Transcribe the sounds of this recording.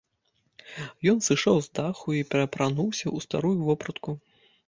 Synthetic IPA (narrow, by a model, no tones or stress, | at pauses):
jɔnsɨʂawzd̪axuipʲɛɾɐpɾanuwsʲɐust̪a̰ɾujuvɔpɾɐt̪ku